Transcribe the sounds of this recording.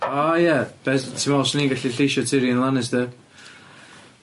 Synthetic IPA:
ajɛb̥ɛstʰɪmɔsniːŋɡaɬiɬiʃɔtʰiɾiənlˠanɛs̬dɛ

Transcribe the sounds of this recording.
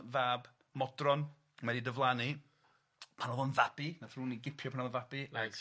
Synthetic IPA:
vaːb | mɔdrɔn | mɛdidəvlˠani | pʰanɔðɔnvab̥inaθruːniɡɪpʰjɔpʰanɔðɔnvab̥ilaɡ

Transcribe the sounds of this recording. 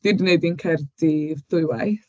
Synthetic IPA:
d̥idnejdinkʰɛrdivθʊɨwajθ

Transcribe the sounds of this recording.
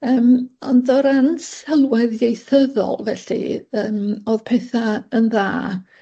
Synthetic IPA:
əːmɔ̰ndɔɾansɛlˠwɛðjejθəðɔ̰lˠvɛɬḭəːmoːð̥pʰɛθaənðaː

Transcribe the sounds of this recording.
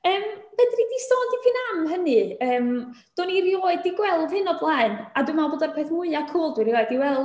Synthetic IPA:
əːmb̥ɛdridistoːndipʰinamɦənɨəːm | d̥ɔːnirjoːɨdiɡwɛlˠðhɨnɔblˠaɨnadwɨmaboːdarpʰeːθmʊɨakʰuːlˠdwiɾijoːɨdiwɛlˠ

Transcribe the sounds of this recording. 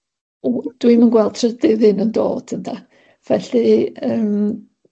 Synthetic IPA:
ud̥wimənɡwɛlˠd̥̚tʰrədɪðɪnəndo̰ːd̥əntʰa | v̥ɛɬɨəːm

